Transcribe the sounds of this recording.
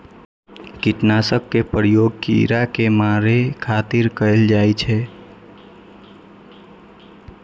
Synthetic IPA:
kiʈnasək̚ːepɾjoɡ̚kḭɾakemaɾekʰat̪iɾkəɪld͡ʒajt͡ʃʰɛ

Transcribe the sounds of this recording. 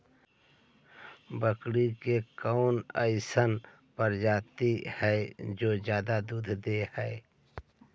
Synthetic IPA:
bəkɽikekɔʊnə̰ɪsən | pəɾd͡ʒaːt̪ihɛd͡ʒoːd͡ʒjaːd̪ad̪uːd̪ʱd̪ehɛː

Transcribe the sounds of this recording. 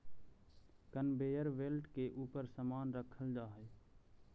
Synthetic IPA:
kənbejəɾʋelʈkeʔuːpəɾsəmaːnɾəkʰəld͡ʒaːɦə

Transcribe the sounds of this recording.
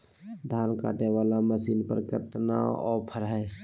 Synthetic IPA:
d̪ʱjaːnka̰ːʈeʋaːlaməsiːnpə̰ɾkəɾt̪na̰ɔ̰ːɾpʰəɾɦɛ

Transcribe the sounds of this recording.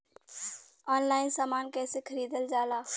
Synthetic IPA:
ɔːnlaːɪnsaːmaːnkɛːsekʰəɾiːd̪əld͡ʒaːlaː

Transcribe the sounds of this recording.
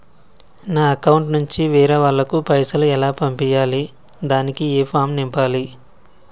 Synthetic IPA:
naːɐkɐwɳʈnuɲt͡ʃiʋiːɾɐʋɐɭːɐkupɐjsɐluɛlaːpɐmpijaːli | d̪aːnikieːpʰaːmnimpaːli

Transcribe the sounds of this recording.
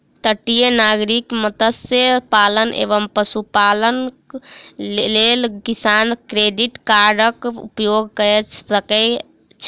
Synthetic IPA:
t̪əʈːijənaɡɾikmət̪əsjəpalənʔḛbəmpəsupalən | lelkisankɾeɖiʈkaɾɖəkṵpjoɡ̚kəɛt͡ʃsəkɛ | t͡ʃʰ

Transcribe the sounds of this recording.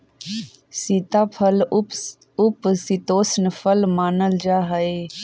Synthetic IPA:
sit̪aːpʰəl | ʊpsit̪oːsnəpʰəlmaːnəld͡ʒaːɦəe

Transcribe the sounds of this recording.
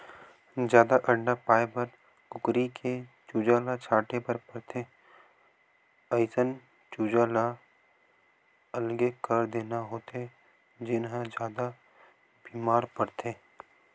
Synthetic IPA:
d͡ʒjaːd̪aʔə̃ɳɖapaːepɐɾ | kʊkɾikʰet͡ʃuːd͡ʒaːlat͡ʃʰaːʈepəɾpɐɾt̪ʰeː | əɪsən | t͡ʃuːd͡ʒaːla | ɐlɡekəɾd̪eːnaɦoːt̪e | d͡ʒɪnɦə̃d͡ʒjaːd̪a | biːmaːɾpɐɾt̪ʰeː

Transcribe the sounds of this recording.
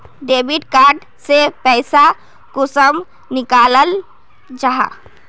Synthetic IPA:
ɖebiʈkaɾɖ | sepɛɪsa | kusəm | nikaləl | d͡ʒaɦa̰

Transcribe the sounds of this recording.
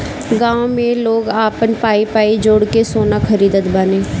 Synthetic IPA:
ɡãːõmẽloːɡaːpənpaːipaːiːd͡ʒoɽkesoːnaːkʰəɾiːd̪ət̪bəneː

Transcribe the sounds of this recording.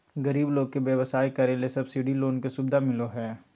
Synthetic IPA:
ɡɐɾiːbloːɡ̚keʋjɐʋəsaːikɐɾelesɐbsiːɖiloːnkesubd̪amɪloɦɛː

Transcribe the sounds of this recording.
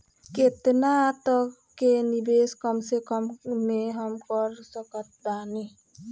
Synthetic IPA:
ket̪nat̪ɔ | kenibeskɔmsekɔmːeɦɔmkɔɾsɔkɔt̪̚dani

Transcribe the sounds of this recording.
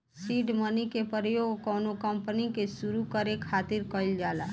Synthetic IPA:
siːɖmənikepəɾjoːɡkɔːnokəmpənikesuɾukəɾekʰaːt̪ɪɾkəɪld͡ʒaːla̰ː

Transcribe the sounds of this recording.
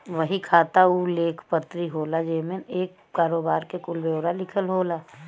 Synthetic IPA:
ʋəɦikʰaːt̪auleːkʰpət̪ɾiɦoːlad͡ʒeːmẽeːk | kaːɾoːbaːɾkekʊlbeːwɾalɪkʰəlɦoːlaː

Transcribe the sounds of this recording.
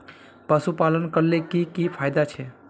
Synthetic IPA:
pəsupalənkəɾlekikipʰajd̪at͡ʃʰɛ

